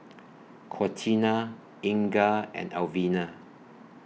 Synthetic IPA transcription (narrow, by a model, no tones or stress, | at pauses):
kʰɔtʰina | ĩŋɡaɛ̰̃nalvina